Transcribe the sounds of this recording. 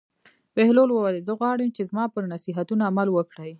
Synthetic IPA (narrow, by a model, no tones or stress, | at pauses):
b̥ɪhlolwəwalezəɣwɑɽəmt͡ʃezmɑpəɾnasiɦat̪unaːmalwəkɽəj